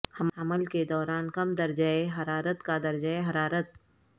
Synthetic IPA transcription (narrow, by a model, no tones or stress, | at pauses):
hɐɐməlked̪ɔːɾaːnkɐmd̪ɐɾd͡ʒaeɦɐɾaːɾət̪kad̪ɐɾd͡ʒəeɦɐɾaːɾət̪